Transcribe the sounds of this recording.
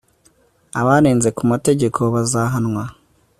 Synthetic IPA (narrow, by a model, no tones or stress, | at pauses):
aβaɾeːnze̞kumate̞ɟe̞kʰo̞βazaːɦanŋwa